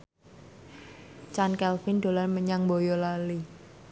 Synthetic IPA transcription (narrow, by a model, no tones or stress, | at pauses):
t͡ʃankɛlfɪnd̪o̤lanməɲaŋbojɔlali